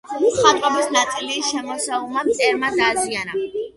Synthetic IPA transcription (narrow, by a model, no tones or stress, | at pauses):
χat̪ʼɾɔbisnat̪sʼiliːʃɛmɔsaulˠmamt̪sʼɛɾmad̪aːziana